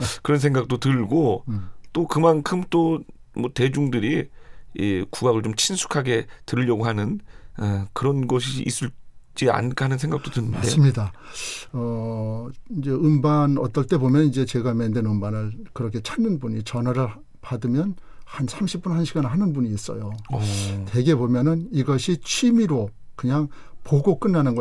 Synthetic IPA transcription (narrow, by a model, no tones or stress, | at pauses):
kɯɾʌns̬ʰe̞ŋɡak̚t͈otɯɭɡot͈okɯmankʰɯmt͈omwʌte̞d͡ʑuŋdɯɾiikuɡaɡɯɭt͡ɕomt͡ɕʰinsʰu̥kʰaɡe̞tɯɾiʎːjʌɡohanɯn | kɯɾʌnɡʌɕʰiːs͈uɭt͡ɕ͈ia̰nkʰanɯnsʰe̞ŋɡak̚t͈otɯnɯnadesɯmɲida | ʌ | ind͡ʑe̞ɯmbanʌt͈ʌɭt͈e̞bomjʌnid͡ʑe̞t͡ɕe̞ɡamendenɯmbanɯɭkɯɾʌkʰe̞t͡ɕʰanːɯnbuɲit͡ɕʌnwaɾɯɭ | padɯmjʌnhansʰamɕʰip͈unhanɕʰiɡanɭɦanɯnbuɲiːs͈ʌ̰jo | te̞ɡe̞bomjʌnɯniɡʌɕʰit͡ɕʰimiɾo | kɯɲaŋ | poɡok͈ɯnːanɯnɡʌ